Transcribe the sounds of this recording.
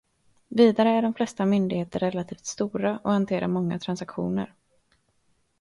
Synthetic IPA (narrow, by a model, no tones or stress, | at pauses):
viːd̪aɾəæɖɔmflɛst̪amʏnd̪ɪɡheːt̪əɾːɛlːat̪ʰiːft̪st̪uːɾaʔɔhant̪ʰeːɾa̰ɾmɔŋːa̰t̪ʰɾansakɧṵːnə̰ɾ